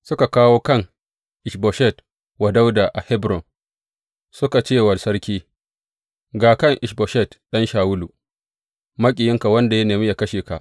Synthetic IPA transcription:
sʊ˦ka˨kaː˦woː˦kɐ˦ŋ | ʔɪ˨ʃbɔ˨ʃɛ˦˨t | wa˨da˦wda˨ʔa˨hɛ˦bɾɔ˨n | sʊ˦ka˨t͡ʃeː˦˨wɐ˨sɐ˦ɽkʲiː˦ | ɡaː˨kɐ˦˨ŋʔɪ˨ʃbɔ˨ʃɛ˦˨tɗɐ˦nʃaː˨wʊ˦lu˨ | mɐ˦kʲʼɪ˨jɪ˦ŋka˨wɐ˦nda˨ja˦neː˨mi˦ja˨kɐ˦ʃeː˨ka̰˨ʔ

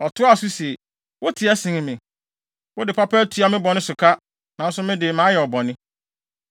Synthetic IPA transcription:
ɔ˨tʰʊ˦a˦˨su˦se˨ | wo˦tʰɪ˨ɛ˦sɪ̃˨ŋɪ̃˨mɪ̃˨ | wʊ˦dɪ˨pʰa˦pʰɛ˦tʰu˨˦a˨mɪ̃˦bɔ̃˨nɪ̃˦sʊ˨kʰa˦ | nã˨˦n˦sʊ˦mɪ̃˦dɪ˨mãː˨˦jɛ˨ɔ˨bɔ̃˨nɪ̃˦

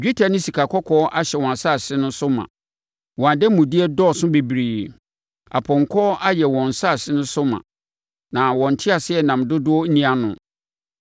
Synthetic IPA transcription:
d͡ʑᶣe˦tʰa˨nɪ̃˦si˨kʰa˨kʰɔ˦kʰɔ˦ʔa˦ɕɛ˨wɔ̃˨a˨sa˦˨sɪ˦nʊ̃˦sʊ˦mã̰˨ | wɔ̃˨a˨dɛ˦mũ˨dɪ˦ɛ˦dɔ˦˨sʊ̃˦be˨bɾiː˨ | a̰˨pʰɔ̃˨ŋ̩˨kʰɔ˦ʔa˦jɛ˨wɔ̃˨n̩˨sa˦˨sɪ˦nʊ̃˦sʊ˦mã̰˨ | nã˨wɔ̃˨n̩˨tʰɪ˦a˨sɪ˦ɛ˨nã˨mdʊ˦dʊ˦ɔ˦nĩ˦a˦nʊ̰̃˨

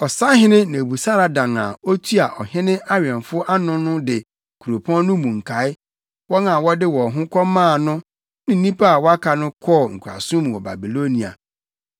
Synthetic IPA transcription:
ɔ˨sa˦ɦɪ̃˦nɪ̃˦nã˨bu˨sa˦ɾa˨dã˨ŋa̰˨o˦tʰu˦a˨ʔɔ˨hɪ̃˦nɪ̃˦ʔa˦ɥɛ̃˨nfʊ˦ʔa˦nʊ̃˦nʊ̃˦dɪ˨ | kʰu˨ɾo˨pʰɔ̃˦n˦ʊ̃˦mũ˨ŋ̩˨kʰa˨˦ɪ˦ | wɔ˦na˨wɔ˦dɪ˦wɔ˨ɦʊ̃˦kʰɔ˦mãː˦˨nʊ̃˦ | nɪ̃˨n̩˦nĩ˦pa˦a˨wɔ˦a˦kʰa˨nʊ̃˦kʰɔ˦˨ŋ̩˨kʰu˨ɾa̰˨sũ˦m̃˨wɔ˨ba̰˨bi˨lo˦nĩ˨a̰˨

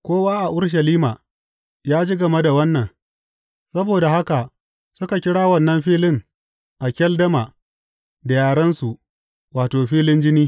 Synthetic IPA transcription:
kʷoː˦waː˦ʔa˨ʔʊ˦ɽʃ̬ɐ˨liː˦maː˨ | jaː˦d͡ʒiː˦ɡɐ˨me˦da˨wɐ˦nːɐ˨ŋ | sɐ˦boː˨da˨ha˦ka˨ | sʊ˦ka˨kʲɪ˦ɽaː˦wɐ˦˨nːɐ˦mɸiː˦lɪ˦ŋ | ʔa˨kʲɐ˦ldɐ˦ma˨ | da˨jaː˨ɽɐ˦nsu˨ʔ | waː˨toː˨ɸiː˦lɪ˦nd͡ʒɪ˦niː˦

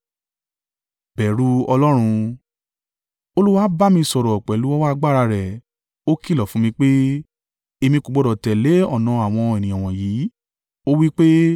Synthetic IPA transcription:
bɛ˨ɾu˦ɔ˧lɔ˦ɾ̃ũ˧ | o˧lu˦wa˦ba˦˨mĩ˧sɔ˨ɾɔ˨k͡pɛ˨lu˨˦ɔ˦wa˦˧ɡ͡ba˦˨ɾa˧ɾɛ˨ | o˦ki˦˨lɔ˨fũ˨˦mĩ˧k͡pe˦ | e˧mĩ˧ku˨ɡ͡bɔ˨dɔ˨tɛ˨le˨˦ɔ˦˨nã˨˧a˨w̃ɔ̃˧e˨nĩ˨ɔ̃˨w̃ɔ̃˨jiː˨˦ | o˦wi˦k͡pe˦

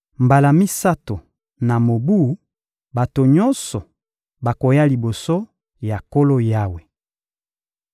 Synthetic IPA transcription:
mba˨la˨mi˦sa˦to˨ | na˨mo˨bu˦˨˦ | ba˨to˨ɲɔ˦nsɔ˨ | ba˨ko˨ja˦li˨bo˨so˦ | ja˨ko˦lo˦ja˦we˨

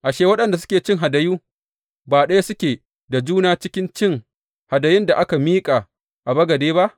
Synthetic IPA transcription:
ʔa˨ʃeː˦˨wɐ˦ɗɐ˨nda˨s̬ʊ̥˦kʲeː˨t͡ʃɪ˦ŋɦa˨dɐ˨juː˦ | baː˨ɗɐ˦ja˦sʊ˦kʲeː˨ | da˨d͡ʒuː˦naː˦t͡ʃɪ˦kʲɪ˦nt͡ʃɪ˦ŋ | ha˨dɐ˨jɪ˦nda˨ʔa˦ka˨miː˦kʼa˨ | ʔa˨bɐ˦ɡɐ˨deː˦ba˦ʔ

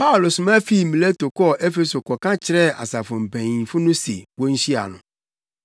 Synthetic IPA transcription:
pa˦ʊ˨lo˨sʊ˨mã˦fi˦˨mĩ˨le˦to˨kɔ˦ʔɛ˦fe˨so˨kɔ˨kã˦t͡ɕʰɪ˨ɾɛ˦˨a̰˨sa˨fʊ̃˨m̩˨bæ̃˨ɲĩ˨fʊ˦nʊ̃˦sḛ˨wɔ˦n̩˦ɕi˦a̰˨nʊ̰̃˨

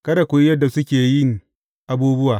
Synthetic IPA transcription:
kɐ˦da˨kʷʊ˨jjɐ˦dːa˨sʊ˦kʲeː˨jɪ˦˨ŋ | ʔa˨buː˦bʊ˦waː˨

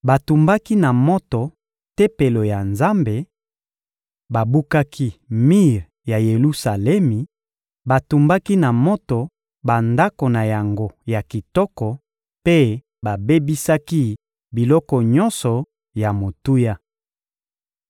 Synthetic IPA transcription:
ba˨tu˨mba˦ki˦na˨mɔ˦tɔ˨ | te˦pe˨lo˨ja˨nza˦mbe˨ | ba˨bu˦ka˦kʰi˦mi˦ʁ | ja˨je˨lu˦sa˨lɛ˦mi˨ | ba˨tu˨mba˦ki˦na˨mɔ˦tɔ˨ | ba˨nda˦ko˨na˨ja˨ŋɡo˦ja˨ki˨tɔ˦kɔ˨ | pe˦ | ba˨be˦bi˦sa˦ki˦ | bi˨lɔ˦kɔ˨ɲɔ˦nsɔ˨ | ja˨mo˨tu˦ja˦

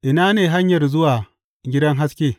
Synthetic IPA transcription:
ʔɪ˨naː˦neː˨ɦa˦ɲjɐ˨rzʊ˦waː˨ | ɡʲɪ˦dɐ˦ŋɦa˦skʲeː˦

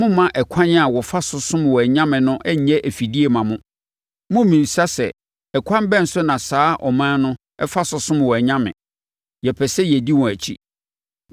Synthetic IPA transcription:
mʊ̃˦mã˦ʔɛ˨kʷʰã˦nɪ̃˦a˨wɔ˨fa˦sʊ˨sʊ̃˦m˨wɔ˨ɛ˨ɲã˦mɪ̃˨nʊ̃˦ʔɛ˦ɲ˦ɛ̃˦ʔæ˨fi˨di˦e˨mã˨mʊ̃˦ | mʊ̃˦mĩ˨sa˦sɛ̰˨ | ɛ˨kʷʰã˦m˦bɛ̃˦n̩˨sʊ˦nã˨saː˦ʔɔ˨mãː˦nʊ̃˦ | ɛ˦fa˦sʊ˨sʊ̃˦m˨wɔ˨ɛ˨ɲã˦mɪ̰̃˨ | jɛ˨pʰɛ˨sɛ˦jɛ˨di˦wɔ̃˨æ˨t͡ɕʰi˦

